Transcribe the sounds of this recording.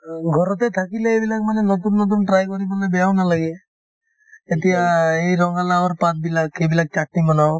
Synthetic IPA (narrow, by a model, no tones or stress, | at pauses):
ɡʱɔɾɔt̪et̪ʰakileebilak̚manenɔt̪̬unːɔt̪̬unʈɾajkɔɾibanebeawnalaɡe | t̪̬iaejɾɔŋalaɔɾpat̪̚bilakʰebilak̚t͡ʃaʈ̚nimɔna